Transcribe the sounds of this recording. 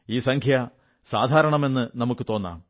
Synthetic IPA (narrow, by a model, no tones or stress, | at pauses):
iːsɐŋkʰjɐ | saːd̪ʱaːɾɐɳɐme̞nːɨnɐmukːɨt̪o̞ːnːa̰ːm